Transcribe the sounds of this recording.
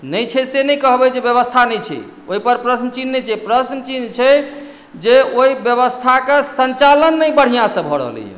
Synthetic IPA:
nəjt͡ʃʰɛsenɛjkəɦbɛd͡ʒebjəβəst̪ʰanɛjt͡ʃʰɛ̰ | oipəɾpɾəsnət͡ʃinːɛt͡ʃʰɛpɾəsnət͡ʃint͡ʃʰɛ | d͡ʒeoibjəβəst̪ʰakesənt͡ʃalənːəjbəɽ̤ijãsə̃bʱɔɾə̰ɦlɛ̰jḛ

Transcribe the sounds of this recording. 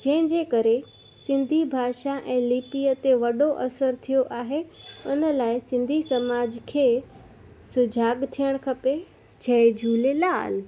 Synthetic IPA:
d͡ʑɐ̃ɦɪ̃d͡ʑeːkɐɾe | sɪ̃nd̪ʱibʱaːʃaʔɛ̃ːlipiət̪eʋɐɗoʔɐsəɾt̪ʰijoʔaːɦeʊnəlaːɪsɪ̃nd̪ʱisɐmaːd͡ʑkʰeː | sʊd͡ʑʱaːɡt̪ʰijəɽ̃kʰɐpe | t͡ɕʰɐed͡ʑʱuːlela̰ːl

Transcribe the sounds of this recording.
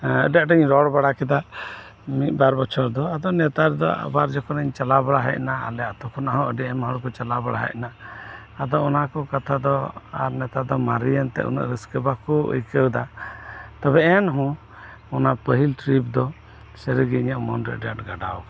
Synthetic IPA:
əɖaʔʈəɲɾɔɽbaɽakɛd̪a | mit̪̚ˀbaɾbɔt͡ʃʰɔɾd̪ɔad̪ɔnɛt̪aɾd̪ɔ̰a̰baɾd͡ʒɔkɔnəɲt͡ʃalabaɽaɦəc̚naa̰lɛat̪ɔkʰɔnaɦɔəɖɛɛmɦɔɽkɔt͡ʃalabaɽaɦə̰ʔ̚naː | d̪ɔɔnakɔkat̪ʰad̪ɔa̰ɾnɛt̪ad̪ɔmaɾijant̪ɛ̰ʔṵnə̰ʔɾəskəbakɔʔṵjkəwd̪a | t̪ɔbɛɛnɦũ | ɔnapəɦilʈɾipd̪ɔ | səɾəɡiɲəʔmɔnɾɛəɖaʔʈɡaɖaɔk

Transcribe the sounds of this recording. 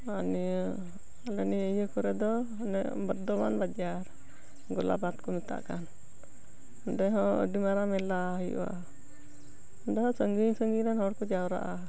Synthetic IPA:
ani | aləniəjəkɔɾɛd̪ɔ | nɛʔbəd̪ɔma̰nbad͡ʒaɾ | ɡɔla̰bat̪̚kɔmit̪a̰ʔkan | dɛɦɔ̃ə̰dimaɾamɛlaɦəjṵʔa̰ | ndɛɦɔ̃səŋɡiɲsəŋɡiɾanhɔɾkɔd͡ʒawɾa̰ʔa

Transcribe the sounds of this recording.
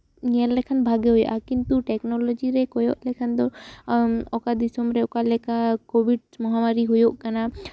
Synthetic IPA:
nɛllːɛkʰanbʱaɡeɦuj̰ʔakint̪uʈɛknɔlɔd͡ʒiɾɛkɔjɔʔlɛkʰand̪ɔ | ɔkad̪isɔmɾɛɔkalɛkakobiɖmɔɦamaɾiɦujoʔkana

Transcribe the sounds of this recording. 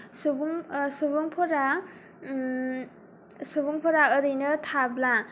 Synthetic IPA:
subuŋsubuŋpʰɔɾa | subuŋpʰɔɾaɯɾɯjnɯtʰabla

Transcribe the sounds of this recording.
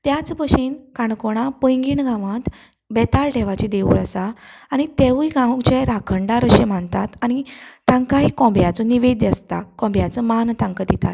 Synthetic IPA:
t̪jat͡spəɕinkaɳkoɽ̃apə̃jŋɡiːɳɡãʋãt̪ | bɛt̪alʈɛʋat͡ɕid̪eʋṵɭəsaːñit̪eʋiɡãwt͡ɕɛɾakʰəɳɖaɾəɕẽm̤aɳt̪at̪añit̪ãŋkaɦikɔ̃bjat͡sɔniʋed̪jəst̪a̰kɔ̃mbjat͡səmant̪ʰãŋkəd̪it̪a̰t̪

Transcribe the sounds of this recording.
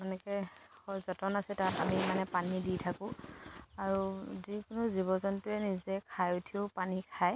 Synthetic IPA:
ɔnɛkɛ | hɔzɔtɔnasɛtatamimanɛpaniditʰakʊ̃ | aɹuzikʊnuzibɔzɔntʊɛnizɛkʰajutʰiopanikʰaj

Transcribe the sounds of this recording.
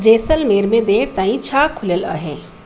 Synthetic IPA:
d͡ʒeːsəlmeːɾmẽd̪eːɽt̪ãːĩt͡ʃʰaːkʰʊljəla̰ɦẽː

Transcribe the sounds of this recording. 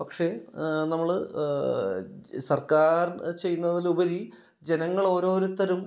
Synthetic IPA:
pɐkʂe̞nɐmːɐɭ | sɐrkaːrt͡ɕe̞jːunːɐðilubɐɾi | d͡ʑe̞nɐŋːɐɭo̞ːɾo̞ːɾut̪ːɐɾum

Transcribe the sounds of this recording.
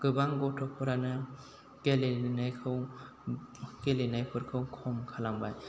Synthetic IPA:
ɡ̥ɯbaŋɡɔtʰɔpʰɔɾanɯ | kelenajkʰɯw | kelenajpʰɯɾkʰɯwkʰɔmkʰalaŋbaj

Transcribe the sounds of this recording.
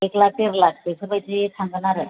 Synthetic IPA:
eklak̚t̪eɾlak̚t̪esʰəpəjt͡ɕeesãŋɡɳaɾə

